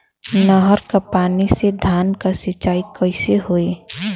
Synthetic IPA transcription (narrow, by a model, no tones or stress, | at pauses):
nəɦəɾkapaːnised̪ʱaːnkasɪt͡ʃaːikəɪseɦoe